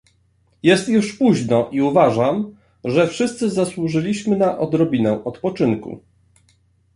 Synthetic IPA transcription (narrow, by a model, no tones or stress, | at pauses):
jɛst̪juʂpuʑnɔʔiuvaʐam | ʐɛfʂɘst̪sɘzaswuʐɘlʲiɕmɘnaʔɔd̪ɾɔbʲinɛ̃ʔɔt̪pɔt͡ʂɘnkṵ